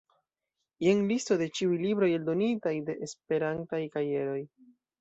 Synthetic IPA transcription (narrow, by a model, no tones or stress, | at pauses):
jeŋlisto̞de̞t͡ʃiujlibɾo̞je̞ldo̞nitajde̞ʔespe̞ɾantajkaɾije̞ɾo̞j